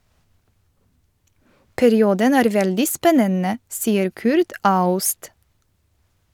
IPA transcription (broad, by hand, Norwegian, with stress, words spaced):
pæɾɪˈuːdən ˈæːɾ ˈʋɛldɪ ˈspɛnənə ˈsiːəɾ ˈkʉɾt ˈɑʉst